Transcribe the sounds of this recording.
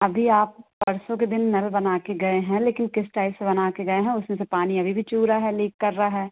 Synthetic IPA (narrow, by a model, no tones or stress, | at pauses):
ɐbʱiaːp̚bɐɾsõked̪ɪnːɐlbɐnaːkeɡɐeɦɛ̃leːkɪnkɪsʈaːɪlsebɐnaːkeɡɐeɦɛ̃ʊsmẽsepaːniɐbʱibʱit͡ʃuːɾaɦɛleːkːɐɾːɐaɦɛː